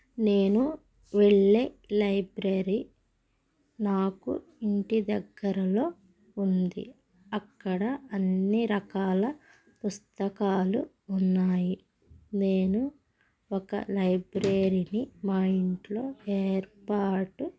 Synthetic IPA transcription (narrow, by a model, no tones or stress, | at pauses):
ne̞ːnu | ʋeɭːeː | lɐjbɾeːɾi | naːkṵ | iɳʈid̪ɐɡːɐɾɐlo̞ː | und̪ḭ | ɐkːɐɽɐɐnːiɾɐkaːlɐ | pust̪ɐkaːlu | unːaːji | ne̞ːnu | ɔkɐ̰lɐjbɾeːɾinimɐjiɳʈlo̞ːeːɾpaːʈu